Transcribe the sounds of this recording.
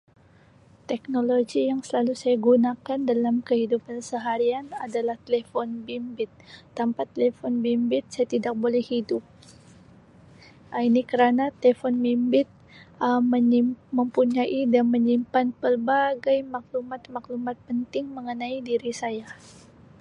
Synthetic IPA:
t̪ɛk̚noloɡijaŋsəlalusajaɡunakandalamkəɦidupansəɦaɾianadalaht̪elefɔnbimbɪt̪̚ːampat̪elefɔnbimbɪt̪̚sajat̪idak̚bolɛhhidʊp̚ | inikəɾanat̪elefɔnbimbɪt̪̚ | əməɲiməmpuɲaʔidanməɲimpanpərbaɡajmak̚lumat̪̚maklumat̪̚pənt̪ɪŋməŋənaidiɾisaja

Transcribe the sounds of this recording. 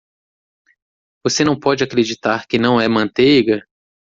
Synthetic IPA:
vosenɐ̃w̃pɔd͡ʒɪakɾed͡ʒit̪aɾkɪnɐ̃w̃ɛmɐ̃nt̪ejɡɐ

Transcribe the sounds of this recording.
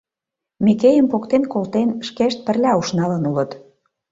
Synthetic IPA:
mekejə̆mpokt̪enkolt̪enʃkeʃt̪̚pə̆rlʲæuʃnɑlə̆nulə̆t̪

